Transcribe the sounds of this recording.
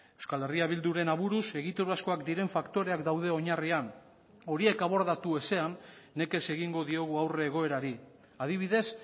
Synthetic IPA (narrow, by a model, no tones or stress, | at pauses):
ewskale̞riaβild̪uɾe̞naβuɾuse̞ɣit̪uɾuasko̞akd̪iɾe̞ɱfakt̪o̞ɾe̞akd̪awðe̞o̞ɲarian | o̞ɾie̞kaβo̞ɾðat̪ue̞se̞anː | e̞ke̞se̞ɣiŋɡo̞ðio̞ɣ̞uawre̞ːɣ̞o̞e̞ɾaɾi | að̞iβ̞iðe̞s